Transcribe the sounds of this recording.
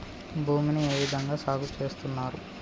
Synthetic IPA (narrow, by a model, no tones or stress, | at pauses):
bʱuːminie̞ːʋid̪ʱɐŋɡaːsaːɡut͡ʃe̞ːst̪unːaːɾu